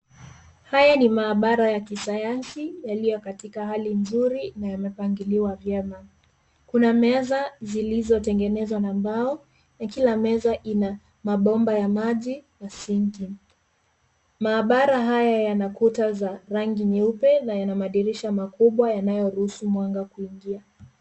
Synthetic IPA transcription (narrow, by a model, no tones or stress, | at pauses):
hajanimaːɓaɾajakisajansijalijɔkatikahalinzuɾinajamɛpaŋɡiliwavjɛma | kunamɛzazilizɔtɛŋɡɛnɛzwanambaɔ | nakilamɛzaʔina | maɓɔmbajamaʄinasiŋki | maːɓaɾaɦajajanakutazaɾaŋɡiɲɛupɛnajanamaɗiɾiʃamakuɓwajanajɔɾuhusumwaŋɡakuiŋɡia